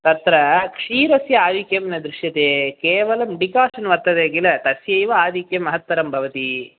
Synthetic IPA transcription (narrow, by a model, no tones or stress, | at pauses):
t̪ɐt̪ɾɐkʂiːɾɐsjɐaːʋikjɐmnɐd̪ɾuʃjɐt̪eːkeːʋɐlɐmɖikaːʃɐnʋɐɾt̪ːɐd̪eːɡilɐt̪ɐsjɐjʋɐaːd̪ʱikjɐmːɐɦɐt̪ʋɐɾɐmbʱɐʋɐt̪i